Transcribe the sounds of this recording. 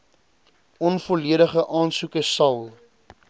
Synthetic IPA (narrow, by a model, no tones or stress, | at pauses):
ʔɔnfɔliəɾəχəʔɑːnsukəsɐlˠ